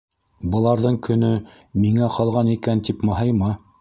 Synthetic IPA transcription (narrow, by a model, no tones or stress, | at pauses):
bɤ̆lˠɑɾðɤɴkɵ̆nɵ | miŋæqʰɑlˠʁɑnikænt̪ipmɤ̆ɦɤjmɑ